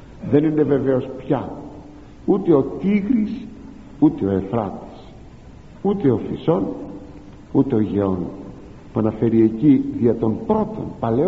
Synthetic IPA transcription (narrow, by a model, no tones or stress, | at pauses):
ðe̞nine̞ve̞ve̞o̞spçɐ | ut̪e̞o̞t̪iɣɾis | ut̪e̞o̞e̞fɾɐt̪i̥s | ut̪e̞o̞fiso̞n | ut̪e̞o̞ʝe̞o̞n | puɐnɐfe̞ɾie̞ciðiɐt̪o̞mpɾo̞t̪o̞̰npɐle̞